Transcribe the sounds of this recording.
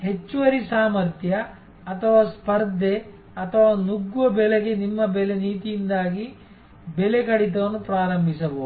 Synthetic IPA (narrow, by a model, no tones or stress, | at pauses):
ɦe̞t͡ʃːuʋɐɾisaːmɐɾt̪ʰjɐ | ɐt̪ʰɐʋaːspɐɾd̪ʱe | ɐt̪ʰɐʋaːnuɡːuʋɐbɛɭeɡe̞nimːɐbɛleniːt̪ijind̪aːɡi | belekɐɽit̪̬ɐʋɐnːupɾaːɾɐmbʱisɐboː